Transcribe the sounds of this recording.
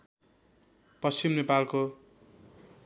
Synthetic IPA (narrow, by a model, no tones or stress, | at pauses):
pʌst͡ʃimnepalko